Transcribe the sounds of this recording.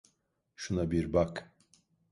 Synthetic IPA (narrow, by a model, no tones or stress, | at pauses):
ʃunabiɾbak